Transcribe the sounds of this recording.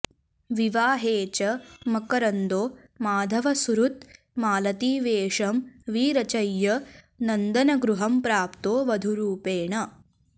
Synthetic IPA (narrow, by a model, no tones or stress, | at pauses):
ʋiʋaːɦeːt͡ʃɐmɐkɐɾɐnd̪oː | maːd̪ʱɐʋɐsuɾut̪ | maːlɐt̪iːʋeːʂɐmʋiːɾɐt͡ʃɐjːɐ | nɐnd̪ɐnɐɡɾuɦɐmpɾaːpt̪oːʋɐd̪ʱuɾuːpeːɳɐ